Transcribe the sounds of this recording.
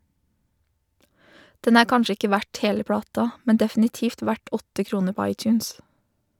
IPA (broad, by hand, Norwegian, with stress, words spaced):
ˈdɛn ˈæː ˈkɑnʃə ˈɪkə ˈʋæʈ ˈheːlə ˈpɽɑːtɑ ˈmɛn dɛfn̩ɪˈtiːft ˈʋæʈ ˈɔtə ˈkɾuːnə ˈpɔ ˈɑɪˌtjʉːns